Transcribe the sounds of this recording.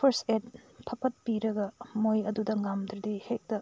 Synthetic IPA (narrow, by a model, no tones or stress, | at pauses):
pʰɐɾsed̚pʰɐpɐt̚piɾɐɡɐmojɐdudɐŋamd̪ɾdihek̚tɐ